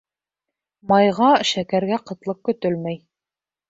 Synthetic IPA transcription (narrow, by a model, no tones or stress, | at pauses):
mɑjʁɑʃækæɾɡæqɤ̆t̪lˠɤq̚kɵ̆t̪ɵlmæj